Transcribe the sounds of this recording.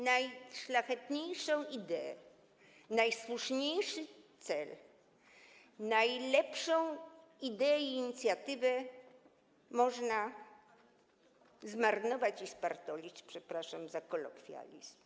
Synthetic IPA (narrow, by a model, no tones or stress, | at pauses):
najʂlaxɛt̪ɲejʂɔ̃w̃id̪ɛɛ̰ | najswuʂɲejʂɘt̪sɛl | najlɛpʂɔ̃w̃ | id̪ɛɛiːɲit̪sʲjat̪ɘvɛ | mɔʐna | zmaɾnɔvat͡ɕispaɾt̪ɔlʲit͡ɕpʂɛpɾaʂamzakɔlɔkfʲja̰lʲḭzm